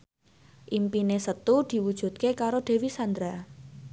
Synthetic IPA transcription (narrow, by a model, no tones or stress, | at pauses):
ʔimpinesət̪ud̪̥i̤wud̥ʒ̥ṳt̪̚kekaɾoɖ̪̥e̤wisand̪ɾa